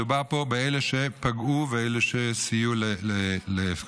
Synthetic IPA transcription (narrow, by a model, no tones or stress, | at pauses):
ubaʁpo̞beeleʃepaɡuveeleʃesijulelelef